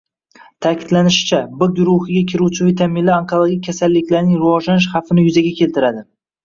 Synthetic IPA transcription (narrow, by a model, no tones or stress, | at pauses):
t̪ʰakʲʰɪd̪lanɪʃɪ̥t͡ʃʰabʊɡʲʊɾʊhɪɡʲakʲʰɪɾuwt͡ʃʰɪvit̪ʰamɪnlɪaŋkʰolˠoɡʲik̚ʲːʰasalːɪkʲlaɾnɪŋɾʊwɒʒlanɪʃ̬χafɪnɪjʊzaɡʲakʲʰe̞lt̪ʰɪɾad̪ɪ